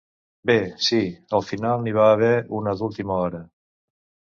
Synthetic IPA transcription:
besiəlˠfinalˠniβ̞aːβ̞ɛunəðulˠt̪iməɔɾə

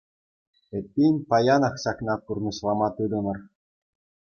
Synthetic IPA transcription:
ĕt̪̚ʲːinʲpɑjɑnɑχɕɑknɑkurnɤ̆ɕlˠɑmɑt̪ɯd̪ɤ̆nɤ̆r

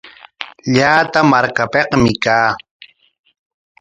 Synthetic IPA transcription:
ʎaːt̪amaɾkapeqmɪkaː

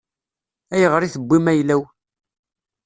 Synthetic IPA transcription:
æjəʁɾiθəbʷːimæjlæw

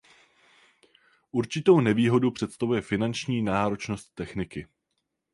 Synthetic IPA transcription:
ʔuɾt͡ʃɪt̪o̞wnɛviːɦo̞dupr̥ɛt̪st̪avujɛfɪnant͡ʃɲiːnaːɾo̞t͡ʃno̞st̪ːɛxnɪkɪ

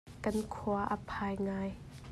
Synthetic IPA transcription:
kɐnkʰuɐʔəpʰaːjŋaːj

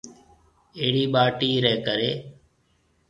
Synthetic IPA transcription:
eːɽiːɓaːʈiːɾɛːkəɾeː

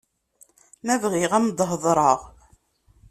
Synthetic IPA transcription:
mævʁiʁæmd̪ˤəɦəðˤɾˤəʁ

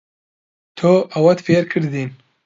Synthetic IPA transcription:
t̪ʰoʔɐwɐt̪feːɾkʰɨɾd̪iːn

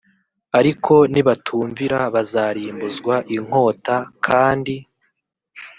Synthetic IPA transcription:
aɾikʰo̞niβatʰuːɱviɾaβazaːɾiːmbuzɡwaʔiŋ̥ho̞ːtakʰaːndi

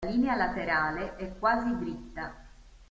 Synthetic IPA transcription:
liːnealat̪eɾaːleʔɛkːwaːzid̪ɾit̪ːa

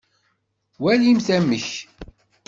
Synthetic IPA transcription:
wælimθæmːəç

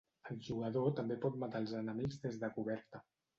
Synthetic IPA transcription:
əlˠʒuɣ̞əðot̪əmbepɔt̪̚mat̪alˠzənəmiɡzðezðəkuβɛɾt̪ə

